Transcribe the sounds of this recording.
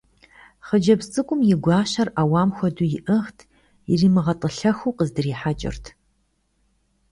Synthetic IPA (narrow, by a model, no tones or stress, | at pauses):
χəd͡ʒɐbsʼɨkʷʼʊmjɪɡʷɑːɕɐrawaːmxʷɔdujɪʔɨχtʰ | jɪriːmɨʁɐtʼəɬɐxuːqəzdɨriːħat͡ʃʼɪ̰rtʰ